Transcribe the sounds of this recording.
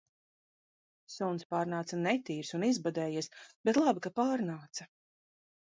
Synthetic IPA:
sunspaːɾnaːt̪sanɛt̪iːɾsunizbad̪ɛːjiɛsb̥et̪lˠabikapaːɾnaːt̪sɐ

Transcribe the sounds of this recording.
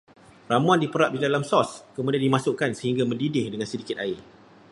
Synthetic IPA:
ramuandipəɾat̪̚didalamsɔskəmũdiandimãsʊʔkansəɦiŋɡamə̃ndidɪhdəŋãnsədikɪt̪aɪr

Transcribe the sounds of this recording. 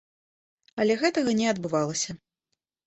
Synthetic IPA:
ɐlʲɛɣɛt̪ɐɣɐnʲɛɐd̪bɨvalˠɐsʲɐ

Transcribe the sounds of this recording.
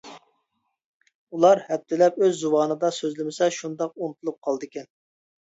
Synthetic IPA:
ulˠɑɾhɛp̚t̪ʰːɪlɛpøzːuwɑːnɨd̪ɑsøzlɪmɪsɛʃund̪ɑq̚unɨt̪ʰulˠup̚qʰɑlˠd̪ɨkʲɛn

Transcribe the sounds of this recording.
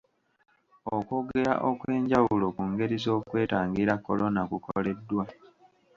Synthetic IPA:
oko̞ɡe̞ɾa̰ʔo̞kwe̞ːɲɟawulo̞kuŋɡe̞ɾizo̞ːkwe̞ːtaːŋɡiɾakːo̞̰lonakukole̞dːwa

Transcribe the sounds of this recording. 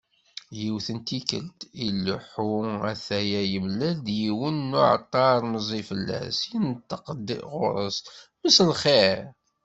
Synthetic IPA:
jiwθənt̪ikə̰lt̪ilːʊħuæθæjæjəmlæld̪jiwənːʊʕə̰t̪ˤːɑɾˤməzˤifəlːæ̰sjinət̪ːəqəd̪ːḭʔʁʊ̰ɾˤəsməsəlχeɾ

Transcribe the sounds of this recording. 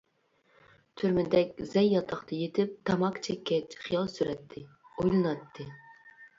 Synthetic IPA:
t̪ʰyɾmɪd̪ɛkʲzɛjːɑt̪ʰɑχt̪ʰɑjet̪ʰɪp̚t̪ʰɑmɑkt͡ʃʰɛkʲːɛt͡ʃχijɑlˠsyɾɛt̪ʰːɪ | ojlˠɨnɑt̪ʰːɨ

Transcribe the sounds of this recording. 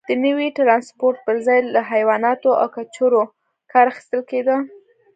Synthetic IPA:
d̪̥ənəwiʈɾɑnspoɾʈ̪̚pəɾzɑjlaɦajwɑnɑt̪oʔa̰wkat͡ʃoɾo | kɑɾaxi̥st̪əlked̪ə

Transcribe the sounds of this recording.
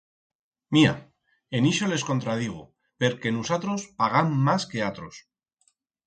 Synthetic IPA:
mia̰ | eniʃo̞le̞sko̞nt̪ɾað̞iɣ̞o | pe̞ɾke̞nusat̪ɾospaɣamːaske̞at̪ɾos

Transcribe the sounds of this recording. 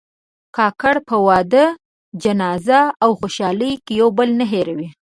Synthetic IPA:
kɑkaɽpəwɑd̪ə | d͡ʒanɑzaawxoʃɑləjkejawbəlnəɦeɾawi

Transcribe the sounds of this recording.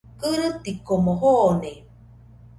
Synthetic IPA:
kɨɾɨt̪ikomoɦone

